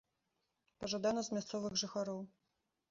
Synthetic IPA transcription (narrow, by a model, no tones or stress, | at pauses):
pɐʐad̪anɐzmʲast̪sɔvɨɣʐɨxaɾɔw